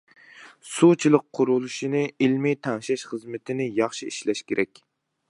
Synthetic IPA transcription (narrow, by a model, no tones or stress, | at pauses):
sut͡ʃʰilˠəqʰːʊɾulˠuʃinɨilmit̪ʰɛŋʃɛʃχəzmɪt̪ʰɪnɪjɑχʃiiʃlɛʃkʲʰeɾʔɛkʲ